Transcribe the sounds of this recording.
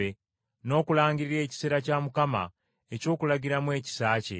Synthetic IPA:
e | no̞ːkulaːŋɡiɾiɾe̞ːci̥seːɾacaːmukama̰ | eco̞ːkulaɟiɾamwe̞ːci̥saːcḛ

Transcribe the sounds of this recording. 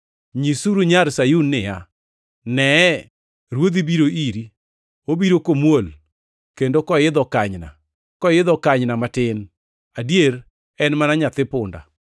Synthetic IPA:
ɲisuɾuɲaɾsajunːɪja | nɛ | ɾwod̪ibiɾoʔiɾi | obiɾokomwol | kendokɔjɪd̪ɔkaɲna̰ | kɔjɪd̪ɔkaɲnamatɪn | adjeɾ | ɛnmanaɲat̪ɪpʊnda̰

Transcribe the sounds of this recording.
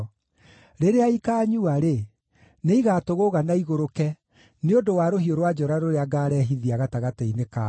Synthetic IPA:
ɾeɾeaikaːɲuaɾe | neiɣaːtoɣoɣanaiɣoɾokɛ | neondowaɾohioɾwad͡ʒɔɾaɾoɾeaɡaɾɛːɦiðiaɣataɣatɛineka

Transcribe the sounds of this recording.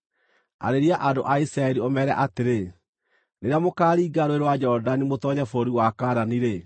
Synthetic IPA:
a̰ɾeɾiaʔadoʔaisɾaɛɾiomɛɾɛʔateɾe | neɾeamokaːɾiːɡaɾoeɾwad͡ʒɔɾdanimotɔɲafoɾiwakaːɾaniɾe

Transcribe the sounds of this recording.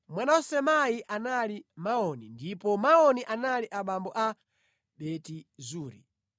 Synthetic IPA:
mwanawɔsɛmajiʔanalimaɔnindipɔmaɔniʔanaliʔaɓambɔʔa | ɓɛtizuːɾḭ

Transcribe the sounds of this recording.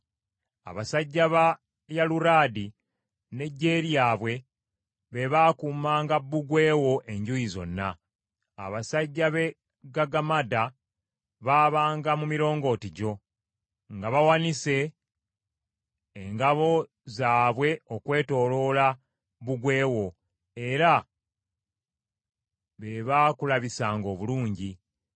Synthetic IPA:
a̰βasaɟːaβa | jaluɾaːdi | ne̞ɟːe̞ːɾjaːβwe̞ | βe̞βaːkumaːŋɡabːuɡwe̞ːwo̞ʔe̞ɲɟujizo̞̰nːa | a̰βasaɟːaβe̞ | ɡaɡamada | βaːβaːŋɡamumiɾo̞ːŋɡo̞ːtiɟo̞ | ŋɡaβawanise̞ | ŋɡaβo̞ | zaːβwe̞o̞kwe̞ːto̞ːlo̞la | buɡwe̞ːwo̞ | e̞ɾa | βe̞βaːkulaβisaːŋɡo̞ːβuluːɲɟi

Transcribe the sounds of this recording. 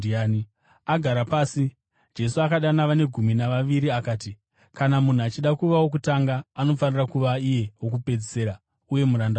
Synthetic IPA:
a | aɡʱaɾapaːsi | d͡ʒe̞suakaɗanaʋane̞ɡʱuminaʋaʋiɾiakaːti | kanamun̤uat͡ʃiɗakuʋawo̞k̬utaŋɡaːno̞fanirakuʋaije̞wo̞k̬upe̞d͡zise̞ːɾa | uje̞muɾanda

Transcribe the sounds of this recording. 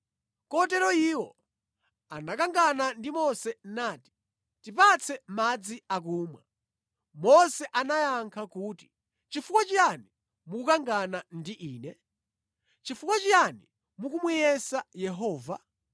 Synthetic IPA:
kɔt̬ɛɾɔiwɔ | anakaŋɡanandimɔsɛnaːti̥ | tipat͡sʰɛmad͡ziak̬uːmwa̰ | mɔsɛʔanajaŋkʰakuːti̥ | t͡ʃifukwat͡ʃiɾani | mukukaŋɡanandiʔiːnɛ | t͡ʃifukwat͡ʃiani | mukumijɛsajɛɦɔːva̰

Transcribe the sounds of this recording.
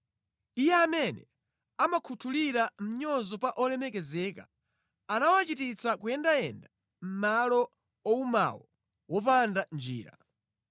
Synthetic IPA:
ijɛamɛnɛ | amakʰutʰuliɾam̩ɲɔzɔpaʔɔlɛmɛkɛzɛka | anawat͡ʃitit͡sakuɛndajɛnda | m̩malɔ | ɔuma̰wɔ | wɔpandand͡ʒḭːɾa̰

